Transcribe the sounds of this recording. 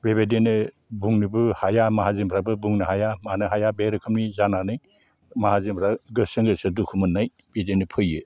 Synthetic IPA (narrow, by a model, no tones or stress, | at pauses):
bebedenɯ | buŋnɯbɯhajamaɦazimpʰɾabɯbuŋnɯɦajamanɯɦajabeɾɯkʰɯmnizananɯj | mahazimpʰɾaɡɯsɯŋɡɯsɯdukʰumɯnːaj | b̥edenɯpʰɯjɯ